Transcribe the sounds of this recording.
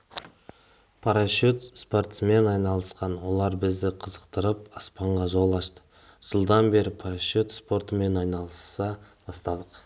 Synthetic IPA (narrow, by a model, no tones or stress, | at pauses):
pʰaɾaʃot̪spo̞rt̪sme̞nɑjnɑlˠəsqɑnwo̞lˠɑɾbɪzd̪ɪqʰəzəqt̪əɾəpɑspɑɴʁɑʒo̞lˠɑʃt̪ə̥ | ʒ̥əlˠd̪ɑnbe̞ɾɪpʰaɾaʃot̪spo̞rt̪əme̞nɑjnɑlˠəsːɑb̥ɑst̪ɑd̪əq